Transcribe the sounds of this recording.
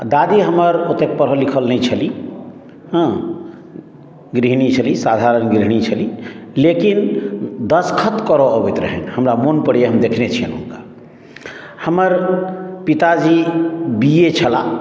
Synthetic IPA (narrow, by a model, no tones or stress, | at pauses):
d̪ad̪iɦəməɾot̪ek̚pəɾɦəlikʰəlnəjt͡ʃʰəli | ɦ | ɡɾiɦnit͡ʃʰəlisad̪ʱaɾənɡɾiɦnit͡ʃʰəlilekind̪əskʰət̪kəɾɔːbet̪ɾəɦɛnhəmɾamonpəɽjeɦəmd̪ekʰnet͡ʃʰiənunka | həməɾpit̪ad͡ʒibiet͡ʃʰəla